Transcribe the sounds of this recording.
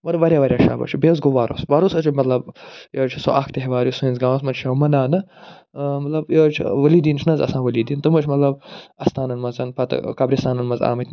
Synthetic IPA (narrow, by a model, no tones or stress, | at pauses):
mɐt̪ɐʋɐɾʲjaːʋɐɾʲjaːʃa̰ːbɐ̰t͡ʃʰibez̬ɡoʋaːɾo̰sʋaːɾosɐt͡ʃʰimɐt̪lɐbjoːt͡ʃʰiso̰ʔaːkʰt̪eɦeʋaːɾjusuĩnʲzɡãːwɐsmɐt͡ʃʰɐwmɐnaːnɐ | mɐt̪lɐbjoːt͡ʃʰḭʋɐliːd̪iːnt͡ʃʰinɐzɐ̰sãːʋɐliːd̪iːnt̪ɨmɐt͡ʃʰmɐt̪lɐbɐst̪aːnɐnmɐzɐnpɐt̪kɐbɾist̪aːnɐnmɐza̰ːmɐt̪ʰʲ